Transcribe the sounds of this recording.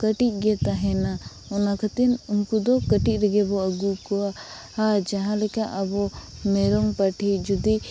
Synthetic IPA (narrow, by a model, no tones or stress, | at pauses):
kəʈit̪̚ˀɡɛt̪aɦɛna | ɔnakʰat̪inʊnkud̪ɔkəʈit̪̚ɾɛɡɛbɔəɡukɔa | ad͡ʒaɦãlɛkaʔɐbɔmɛɾɔŋpəʈʰid͡ʒud̪i